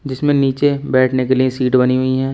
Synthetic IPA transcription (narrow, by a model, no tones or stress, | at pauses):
d͡ʒɪsmẽniːt͡ʃebɛːʈʰnekeliesiːʈbɐniɦʊiɦɛː